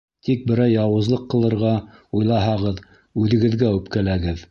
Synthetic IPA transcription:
t̪ik̚bɘ̆ɾæjːɑwɤ̆zlˠɤqːɤ̆lˠɤ̆ɾʁɑujlˠɑɦɑʁɤð | ʉðɘ̆ɡɘ̆ðɡæʉpkælæɡɘð

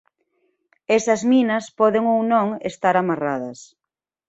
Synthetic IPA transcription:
esɐzminɐspɔðeŋownõŋest̪aɾamaraðɐs

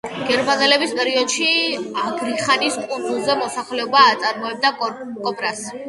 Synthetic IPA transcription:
ɡ̥ɛɾmanɛlɛbispʼɛɾiɔd̪̥ʃiaɡɾiχaniskʼund̪zulˠzɛmɔsaχlɛɔbaːt̪sʼaɾmɔɛb̚d̪a | kʼɔpʼɾas

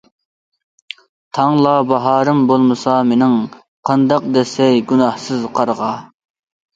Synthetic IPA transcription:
t̪ʰɑŋlˠɑbɑɦɑːɾɨmbolˠmɨsɑmenɪŋ | qʰɑnd̪ɑq̚d̪ɛsɛjɡʲunɑhsɨzqʰɑɾʁɑ

